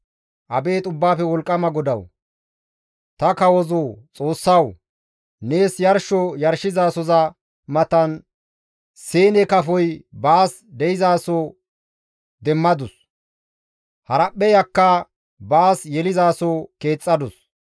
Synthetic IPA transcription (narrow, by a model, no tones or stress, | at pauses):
ʔɐbe̞ːt̪ʼʊbːaːfɛwɔlkʼːɐmɐɡɔd̪ɐw | t̪ɐkɐwɔzot͡sʼo̞ːsːɐw | ne̞ːsjɐɾʃɔjɐɾʃɪzaːsɔzɐ | mɐt̪ɐn | seːnɛkɐfɔjbaːs | d̪ɛjɪzaːso | d̪ɛmːɐd̪ʊs | hɐɾɐpːɛjɐkːɐ | baːsjɛlɪzaːsoke̞ːt͡sʼːɐd̪ʊs